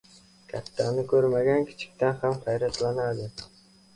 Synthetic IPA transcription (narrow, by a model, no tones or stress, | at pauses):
kʲʰat̪ʰːanɪkʰɵɾmaɡʲankʲʰɪ̥t͡ʃʰɪ̥k̚ʲt̪ʰanhamhajɾat̪lanad̪ɪ